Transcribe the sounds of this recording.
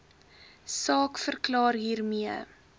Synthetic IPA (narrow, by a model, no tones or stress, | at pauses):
sɑːkfərklɑːrɦiːrmiə